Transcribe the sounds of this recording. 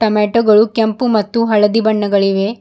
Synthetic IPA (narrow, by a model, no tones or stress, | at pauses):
ʈɐmeːʈoɡɐɭukempumɐt̪ːuɦɐɭɐd̪ibɐɳːɐɡɐɭiʋe